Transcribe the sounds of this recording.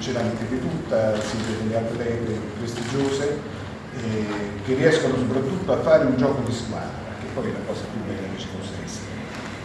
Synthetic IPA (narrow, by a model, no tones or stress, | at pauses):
t͡ʃelament̪ɪd̪ɪt̪ut̪ːasimpɾed̪elːealt̪ɾelɛːd̪ɾepɾest̪id͡ʒoːse | k̟erːiɛskonosopɾat̪ːut̪ːoafːaːɾeund͡ʒɔːkod̪iskwa̰ːd̪pak̟epːɔjɛlakɔːsapjubːɛlːaket͡ʃːi̥konsɛ̰ns